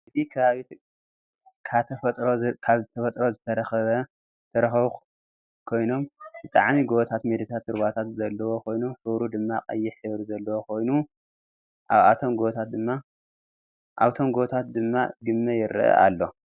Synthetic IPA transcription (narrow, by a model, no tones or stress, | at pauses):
ʔɨt̪ʰikʰɐβaβit̪ | kʰat̪ʰɐfɐt̪ʼɾokʰaβzɨt̪ʰɐfɐt̪ʼɾo̞zɨt̪ʰɐɾɐxɐβɐ | t̪ʰɐɾɐxɐβu | kʰo̞jno̞mbɨt̪ʼaʕmiɡoβt̪ʰat̪med̪ɨt̪ʰat̪ʰɨɾβat̪ʰat̪zɐlːɐwo̞kʰo̞jnuħɨβɾud̪ɨmːaqʼɐjːɪħɨβɾzɐlːɐwokʰo̞jnu | ʔa̰βa̰t̪ʰo̞mɡoβt̪ʰat̪̚d̪ɨmːa | ʔa̰βt̪ʰo̞mɡot̪ʰat̪̚d̪ɨmːa̰ɡɨmːɐjɪɾɨ̰ʔɐ̰ʔa̰lːo̞